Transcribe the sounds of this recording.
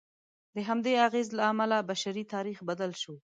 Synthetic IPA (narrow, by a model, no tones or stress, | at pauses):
d̪əɦamd̪eaɣezlaːmalabaʃaɾit̪ɑɾixbad̪alʃo